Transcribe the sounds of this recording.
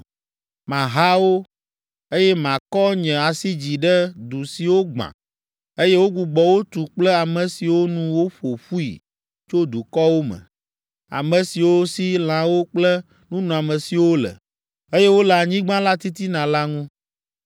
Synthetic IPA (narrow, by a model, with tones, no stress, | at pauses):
mã˨ɦa˦wo˦ | e˦jɛ˦mã˨kɔ˦ɲɛ̃˨a˨si˦d͡ʑi˨ɖɛ˦d̪u˨si˨wo˦ɡ͡bã̰˨ | e˦jɛ˦wo˦ɡu˨ɡ͡bɔ˨wo˦t̪u˨k͡plɛ˦a˨mɛ̃˨si˨wo˦nũ˦wo˦ɸo˨ɸu˦ḭ˨ | t͡ʃo˦d̪u˨kɔ˦wo˦mə̰̃˨ | a̰˨mɛ̃˨si˨wo˦si˦l̃ã˨wo˦k͡plɛ˦ | nũ˦nũ˨a˨mə̃˨si˨wo˦lə̰˨ | e˦jɛ˦wo˦lɛ˨a˨ɲĩ˦ɡ͡bã˦la˦t̪i˦t̪i˦nã˨la˦ŋũ˦